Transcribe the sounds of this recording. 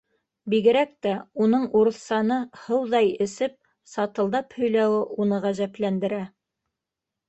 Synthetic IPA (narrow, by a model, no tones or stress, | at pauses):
biɡɘ̆ɾæk̚t̪æunɤɴuɾɤ̆θsɑnɤhɤwðɑjɘ̆sɘp̚ | sɑt̪ɤ̆lˠd̪ɑphɵ̆jlæwɘʔunɤʁæʒæplænd̪ɘ̆ɾæ